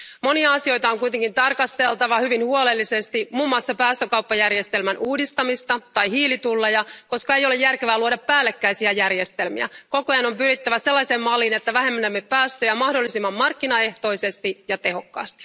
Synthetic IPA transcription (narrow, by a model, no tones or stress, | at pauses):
mo̞niɑɑsio̞jt̪ɑoŋkujt̪e̞ŋkint̪ɑrkɑst̪e̞lt̪ɑʋɑhyʋinhuole̞lːise̞st̪imuːmːoɑsːɑpæːst̪økɑupːɑjærjest̪e̞lmænʔuːdist̪ɑmist̪ɑt̪ɑjhiːlit̪ulːejɑko̞skɑe̞jo̞lejːærkeʋæːluodɑpːæːlːekːæisiæjærje̞st̪elmḭæ̰ko̞kojɑno̞mpyɾit̪ːæʋæse̞lːɑjseːmmɑlːiːnet̪ːæʋæɦemːænemːeppæːst̪øjæmɑhdolːisimːɑmːɑrkːinɑe̞ht̪o̞isest̪ijɑt̪e̞ɦo̞kːɑ̰ːst̪i̥